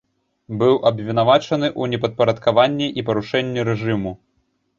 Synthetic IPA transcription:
bɨwʔɐbvʲin̪avat͡ʂɐn̪ɨʔunʲɛpɐt̪̚pɐɾɐt̪kavanʲːɛʔipɐɾuʂɛnʲːɛɾɛʐɨmu

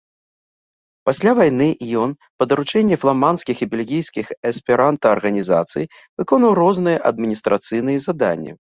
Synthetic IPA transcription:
pasʲlʲavajnɨʔjɔn | pɐd̪ɐɾut͡ʂɛnʲːɛflˠamanskʲixibʲɛlʲɣʲijskʲixɛspʲɛɾant̪ɐɐrɣɐnʲiza̰t̪sɨ̰j | vɨkɔnvɐwrɔznɨjɛʔɐd̪̚mʲinʲist̪ɾʔat̪sɨjnɨjɛzad̪a̰nʲːɛ̰

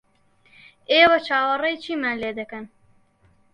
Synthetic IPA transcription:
eːwɐt͡ʃʰaːwɐrɐjt͡ʃʰiːmanleːd̪ɐkɐn

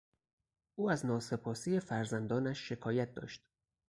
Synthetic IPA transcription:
ʔuːæznɒːse̞pʰɒːsiːje̞fæɾzænd̪ɒːnæʃːe̞kʰɒːjæt̪̚d̪ɒ̰ːʃt̪

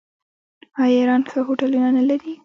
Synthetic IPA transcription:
ɑjaɾɑnsəɦoʈalunanalaɾi

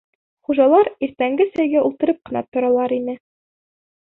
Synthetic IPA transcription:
χuʒɑlˠɑɾiɾt̪æŋɡɘsæjɡæʔulˠt̪ɤ̆ɾɤp̚qɤ̆nɑ̰t̪ŏɾɑlˠɑɾinɘ

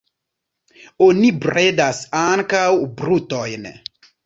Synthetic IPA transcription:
onibredasaŋkawbɾut̪ɔjnɛ̰

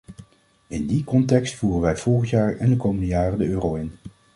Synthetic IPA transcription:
ɪndikɔntɛkstfuːrənʋɛjv̥ɔlˠχəntjaːɹɛndəkowməndəjaːrəndəøːrowɪn

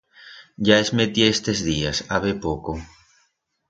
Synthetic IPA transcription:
ɟ͡ʝaezmet̪ieest̪ezðiasaβepoko

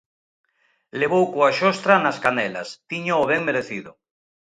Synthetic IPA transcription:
leβ̞owkoaʃɔst̪ɾanaskanɛla̰st̪iɲoːβɛŋmeɾeθiðʊ

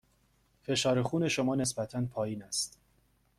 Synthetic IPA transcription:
fe̞ʃɒːɾexuːne̞ʃomɒːne̞sbæt̪ʰænpʰɒːjiːnæst̪

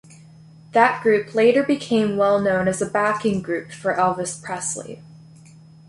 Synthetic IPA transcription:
ðɨt̚ɡ̥ɹʉpʰleɪɾə˞bɨkʰẽɪ̃mwɛlˠnõʊ̃nɨzɨbækɪ̃ŋɡɹʉpfə˞ʔɛlˠvɨspʰɹ̥ɛslḭ

